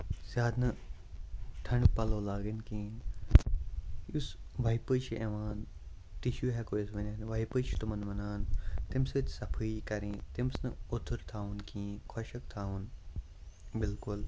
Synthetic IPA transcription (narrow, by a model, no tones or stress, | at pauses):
sjaːd̪nɐ | ʈʰɐɳɖpɐloːlaːɡinkĩːn | usʋɐjpət͡ʃʰiʔeʋaːn | t̪iʃuɦɛkojisʋɐnaːnʋɐjpət͡ʃʰi̥t̪umɐnmɐnaːnt̪imst̪sɐpʰɨjkɐɾĩt̪imsnɐot̪ʰuɾt̪ʰaːunkĩːkʰɔʃɐk̚t̪ʰaːun | bɪlkʊl